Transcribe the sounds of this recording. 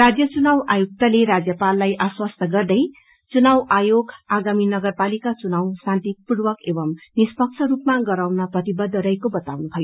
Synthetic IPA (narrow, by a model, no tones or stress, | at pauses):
rad͡zjʌt͡sunawajuk̚t̪aleɾad͡zjʌpalːajʔaswast̪ʌɡʌrd̪ʌj | t͡sunawʔajoɡaɡaminʌɡʌrpalikat͡sunawsãnt̪ipuɽwʌkebʌmnispʌkt͡sʰʌɾupmaɡʌɾawnʌprʌt̪ibʌd̪ʱːʌɾʌjkobʌt̪awnubʰʱʌjo